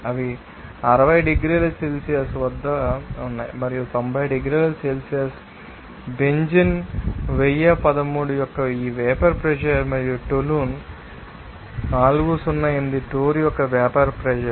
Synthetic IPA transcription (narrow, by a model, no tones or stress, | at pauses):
ɐʋi | ɐɾɐʋɐjɖeɡɾiːlɐselsijɐsʋɐd̪ːɐunːa̰ːjmɐɾijut̪ombʱɐjɖeɡɾiːlɐselsijɐs | beɲd͡ʒinʋejapɐd̪ɐmːuːɽujɔkːɐiːʋɛːpɐɾpɾɛʃɐɾmɐɾijuʈoluːn | naːluɡusunːɐjend̪iʈoːɾjɔkːɐʋaːpɐɾpɾɛd͡ʒɐɾ